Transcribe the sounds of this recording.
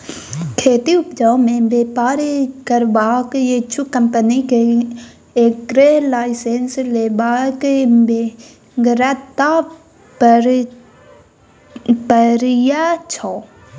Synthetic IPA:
kʰeːt̪iʊpd͡ʒãːmẽbeːpaːɾkəɾbaːkjet͡ʃʰukəmpənike | ekɾelaːɪseːnsleːbaːkebe | ɡɾat̪a | ɾ | pəɾjat͡ʃʰɔː

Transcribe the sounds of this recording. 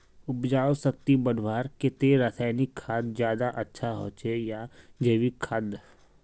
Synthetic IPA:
ʊpd͡ʒaːosək̚t̪ibəɽʱwaːɾket̪eɾaːsaːɪnikʰːaːd̪zjaːd̪aʔətːʃʰaɦo̰ːt͡ʃejad͡ʒəʋikʰːəd̪

